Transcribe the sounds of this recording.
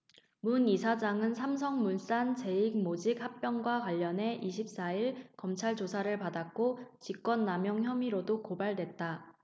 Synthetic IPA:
munisʰad͡ʑaŋɯnsʰams̬ʰʌŋmuns͈ant͡ɕe̞iɡ̚mod͡ʑik̚hak̚p͈jʌŋɡwakwaʎːʌne̞ʔiɕʰip̚s͈aiɭkʌmt͡ɕʰaɭt͡ɕosʰaɾɯɭpadak̚k͈ot͡ɕik͈̚wʌnːamjʌŋçjʌmiɾodokobaɭdwe̞t̚t͈a

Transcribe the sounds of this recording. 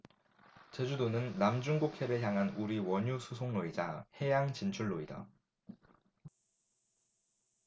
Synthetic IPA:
t͡ɕed͡ʑudonɯnːamd͡ʑuŋɡokʰeɾɯɭçjaŋɦanuɾiwʌɲusʰusʰoŋnoid͡ʑahe̞jaŋt͡ɕint͡ɕʰuɭːoida̰

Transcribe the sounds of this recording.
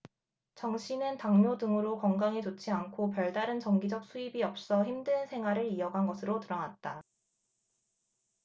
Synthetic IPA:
t͡ɕʌŋɕʰinɯntaŋmjodɯŋɯɾokʌŋɡaŋit͡ɕot͡ɕʰiankʰop̬jʌɭdaɾɯnt͡ɕʌŋɡid͡ʑʌk̚sʰuibiʌp̚s͈ʌçimdɯnsʰe̞ŋɦwaɾɯɾiʌɡɦanɡʌsʰɯɾotɯɾʌnat̚t͈a

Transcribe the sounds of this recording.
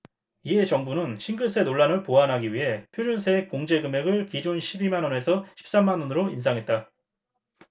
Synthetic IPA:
iɦe̞t͡ɕʌŋbunɯnɕʰiŋɡɯɭs͈ʰe̞noɭːanɯɭpoɦanɦaɡiɥiɦe̞pʰjod͡ʑuns̬ʰek͈ːoŋd͡ʑe̞ɡɯme̞ɡɯɭkid͡ʑonɕʰibimanʌne̞sʰʌɕʰi̥p̚s͈amːanʌnɯɾoinsʰaŋɦe̞t̚t͈a

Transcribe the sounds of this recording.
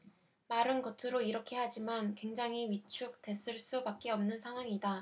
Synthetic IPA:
maɾɯnɡʌtʰɯɾoiɾʌkʰe̞had͡ʑimankwe̞ŋd͡ʑaŋiɥit͡ɕʰuk̚t͈e̞s͈ɯɭs͈ubak̚k͈eʌmnɯnsʰaŋɦwaŋida

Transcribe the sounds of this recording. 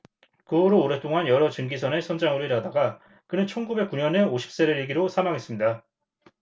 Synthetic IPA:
kɯoɾoːɾe̞t͈oŋanjʌɾʌt͡ɕɯŋɡisʰʌnesʰʌnd͡ʑaŋɯɾoiɾɦadaɡa | kɯnɯnt͡ɕʰʌnɡube̞k͈uɲʌneoɕʰi̥p̚s͈eɾɯɾiɭɡiɾosʰamaŋɦe̞s͈ɯmɲida

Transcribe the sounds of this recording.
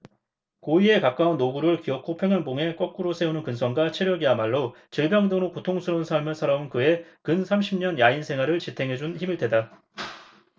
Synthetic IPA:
koie̞kak̚k͈aunːoɡuɾɯɭkiʌk̚k͈ʰopʰe̞ŋɦanboŋe̞k͈ʌk̚k͈uɾosʰe̞unɯnkɯnsʰʌnɡat͡ɕʰeɾjʌɡiamaɭːo | t͡ɕiɭbjaŋdɯŋɾokotʰoŋsʰɯɾʌunsʰaɭmɯɭsʰaɾaunkɯe̞kɯnsʰamɕʰimɲʌnjainsʰe̞ŋɦwaɾɯɭt͡ɕitʰe̞ŋɦe̞d͡ʑunçimiɭdwe̞da

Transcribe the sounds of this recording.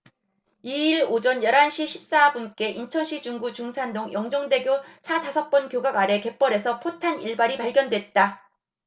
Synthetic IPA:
iiɭod͡ʑʌnjʌɾɦanɕʰiɕʰi̥p̚s͈abunk͈e̞ʔint͡ɕʰʌnɕʰid͡ʑuŋɡut͡ɕuŋsʰandoŋjʌŋd͡ʑʌŋde̞ɡjosʰatasʰʌk̚p͈ʌnkjoɡaɡaɾe̞ke̞p͈ʌɾe̞sʰʌpʰotʰaniɭbaɾipaɭɡjʌndwe̞t̚t͈a

